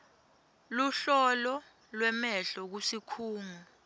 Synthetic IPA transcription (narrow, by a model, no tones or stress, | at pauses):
luɬɔlɔ | lwɛmɛɬɔk̬usikʰuːŋu